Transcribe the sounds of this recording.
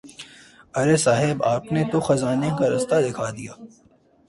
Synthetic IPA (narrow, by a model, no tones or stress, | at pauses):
ɐɾesaːɦɪbaːpnet̪oxɐzaːnekaɾɐst̪ad̪ɪkʰaːd̪ijaː